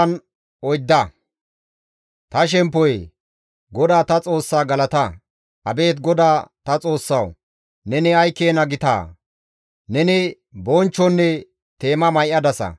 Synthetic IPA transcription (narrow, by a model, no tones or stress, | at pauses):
ɐn | ʔɔjd̪ːɐ | t̪ɐʃ̬ɛmpːɔj | ɡɔd̪aːt̪ɐt͡sʼo̞ːsːaːɡɐlɐt̪ɐ | ɐbe̞ːt̪ɡɔd̪aːt̪ɐt͡sʼo̞ːsːɐ̰w | nɛnɪɐjkːeːnɐɡɪt̪a̰ː | nɛnɪ | bɔnt͡ʃːɔnːɛ | t̪e̞ːmɐmɐjʔːɐd̪ɐsɐ̰